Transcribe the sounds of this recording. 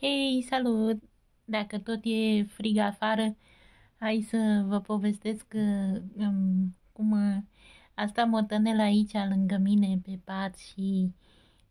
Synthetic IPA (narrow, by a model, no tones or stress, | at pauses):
hejsalut̪̚ | d̪akət̪o̞t̪jefɾiɡaːfaɾə | hajsəvəpo̞ve̞st̪eskəəmkum | ast̪amot̪ənelait͡ʃalɨŋɡəmine̞pe̞pat̪ʃi